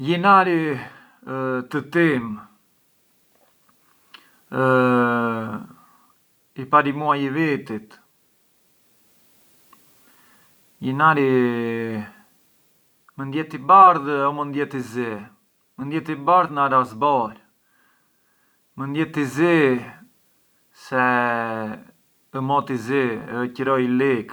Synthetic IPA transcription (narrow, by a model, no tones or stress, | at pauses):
jinaɾi | t̪ət̪im | ipaɾimuajivit̪it̪ | jinaɾi | mənd̪jɛt̪ibaɾðɔmənd̪jɛt̪izi | mənd̪jɛt̪ibaɾðnaɾazbɔɾ | mənd̪jɛt̪izi | sɛ | əmɔt̪iziəcəɾɔjilik